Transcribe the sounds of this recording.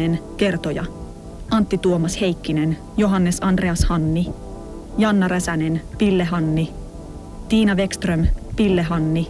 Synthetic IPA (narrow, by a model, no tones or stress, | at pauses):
enke̞rt̪o̞jɑ̰ | ɑnt̪ːit̪uomɑshe̞jkːine̞n | jo̞ɦɑnːe̞sɑnd̥re̞ɑshɑnːi | jɑnːɑɾæsæne̞npilːe̞ɦɑnːi | t̪iːnɑʋe̞kst̪rømpilːe̞ɦɑnːi